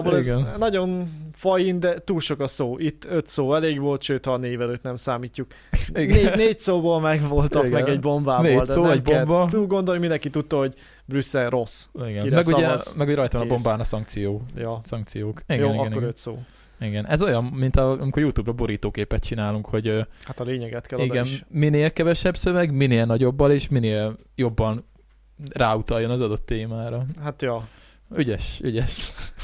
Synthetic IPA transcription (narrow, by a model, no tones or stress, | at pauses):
boɛɡɛnnɒɟo̞nfɒjind̪ɛt̪uːlʃo̞kɒsoːʔit̪ːøt̪soːɛleːɡʋo̞lt̪ʃøːt̪hɒneːvɛløːt̪nɛmsaːmiːcːuk | ieːneːc̚soːboːlmɛɡʋo̞lt̪ɒɡmɛɡɛɟbo̞mbaːbneoːlt̪soːɛɟbobɔt̪ulɡo̞nd̪olimind̪ɛŋkit̪ut̪ːɒho̞ɟ | brysːɛlro̞siɡɛniɾɛmɛɡuɟɛmɛɡhojɾɒjt̪ʋɒnɒbo̞mbaːnɒsɒŋk̚t̪sijoːjjosɒŋk̚t̪sijoːkiɡjonːiɡɛnioɡɾøːt̪soː | iɡɛnʔɛzo̞jɒnːint̪ɒɒ̰mikoɾjut̪uːbɾɒbo̞ɾiːt̪oːkeːpɛt̪̚t͡ʃinaːluŋkho̞ɟhat̪ɒleːɲɛɡɛt̪kɛliɡɛnmineːlkɛvɛʃɛbsøvɛɡmineːlnɒɟo̞bːɒleːʃmineːl | jo̞bːɒn | raːut̪ɒjːo̞nɒzɒd̪o̞t̪ːeːmaːɾɒhat̪jɒ | yɟɛʃyɟɛʃ